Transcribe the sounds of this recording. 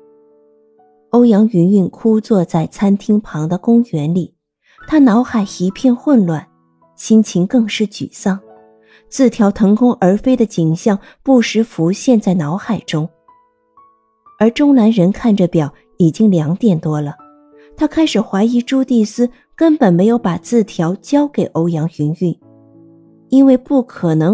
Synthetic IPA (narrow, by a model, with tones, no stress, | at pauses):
o˥ʊjɑ˧˥ŋy˧˥ny˥˩nkʰu˥t͡swɔ˥˧t͡sa˥˩ɪt͡sʰa˥nt̪ʰi˥ŋpʰɑ˧˥ŋd̪ə˧kʊ˥ŋɥɛ˧˥nli˨˩˦ | t̪ʰa˥nɑ˧˥ʊxa˨˩ɪxi˧˥pʰjɛ˥˧nxwə˥˧nlwa˥˩n | ɕi˥nt͡ɕʰi˧˥ŋkɤ˥˧ŋʂɻ̩˥˩t͡ɕy̰˨˩sɑ˥˩ŋ | t͡sʰɹ̩˥˩t̪ʰjɑ˧˥ʊt̪ʰɤ˧˥ŋkʰʊ˥ŋʔə˞˧˥fe˥ɪd̪ə˨t͡ɕi˨˩ŋɕjɑ˥˧ŋ | pu˥˩ʂɻ̩˧˥fu˧˥ɕjɛ˥˧nt͡sa˥˩ɪnɑ˧˥ʊxa˨˩ɪʈ͡ʂʊ˥ŋ | ə˞˧˥ʈ͡ʂʊ˥ŋna˧˥nɻə˧˥nkʰa˥˩nʈ͡ʂə˩pjɑ˨˩ʊ | i˨˩t͡ɕi˥ŋljɑ˧˥ŋt̪jɛ˨˩nt̪wɔ˥lə˨ | t̪ʰa˥kʰa˥ɪʂɻ̩˨˩xwa˧˥ɪi˧˥ʈ͡ʂu˥t̪i˥˩sɹ̩˥ | kə˥npə˨˩nme˧˥ɪjo˧˥ʊpa˨˩t͡sɹ̩˥˩t̪ʰjɑ˧˥ʊt͡ɕjɑ˥ʊke˨˩ɪʔo˧˥ʊjɑ˧˥ŋɕy˧˥ny˥˩n | i˥nwe˥˧ɪpu˥˩kʰɤ˨˩nɤ˧˥